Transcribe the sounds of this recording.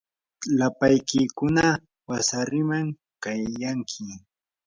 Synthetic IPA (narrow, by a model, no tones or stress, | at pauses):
lapajkɪkʊna | wasaɾɪmaŋ | kajaŋkʰɪ